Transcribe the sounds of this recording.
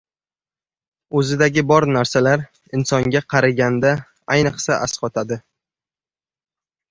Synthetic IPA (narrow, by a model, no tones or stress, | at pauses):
ɵzɪd̪aɡʲɪbɒɾnaɾsalaɾ | ɪnsɒŋɡʲaqʰɑɾaɡʲand̪a | ajnɨqsaʔasqɒt̪ʰad̪ɪ